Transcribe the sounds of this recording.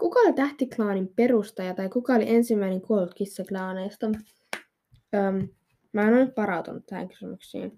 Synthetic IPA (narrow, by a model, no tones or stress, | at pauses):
kukɑolit̪æht̪iklɑːnimpe̞rust̪ɑjɑt̪ɑjkukɑoliʔensimːæineŋkuolut̪kisːæklɑːnejst̪ɑ | əːm | mæːnonyt̪ʋɑɾɑwt̪unut̪t̪ːæhæ̰ŋky̥symyksḭːn